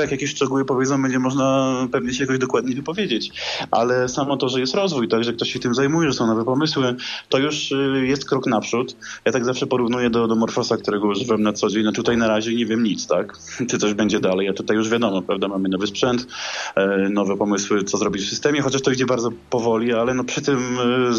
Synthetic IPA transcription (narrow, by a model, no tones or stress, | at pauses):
jakjakʲeɕʂt͡ʂɛɡuwɘpɔvʲed̪zɔ̃w̃bɛɲd͡ʑɛmɔʐnapɛvɲɛɕɛjakɔʑd̪ɔkwad̪ɲejvɨpɔvʲjed͡ʑet͡ɕʔa̰lɛsamɔt̪ɔʐɛjɛst̪ɾɔzvujt̪aɡʐɛkt̪ɔɕɕɛt̪ɘmzajmujɛʐɛsɔ̃w̃nɔvɛpɔmɘswɘt̪ɔjuʂjɛst̪kɾɔknapʂut̪jat̪aɡzafʂɛpɔɾuvnujɛd̪ɔd̪ɔmɔɾfɔsakt̪uɾɛɡɔwɔʐɘvɛmnat̪sɔd͡ʑeɲnɔtut̪ajnaɾaʑɛɲɛvʲjɛmɲit̪st̪ak | t͡ʂɨt̪sɔʑbɛɲd͡ʑɛd̪alɛjat̪ut̪ajːuʐvʲjad̪ɔmɔpɾavd̪amamɘnɔvɘspʂɛnt̪ | nɔvɛpɔmɘswɘt̪sɔzɾɔbʲit͡ɕfsɨst̪ɛmʲjɛxɔt͡ɕaʂt̪ɔid͡ʑɛbaɾd̪ɔpɔvɔlʲialɛnɔpʂɘt̪ɘm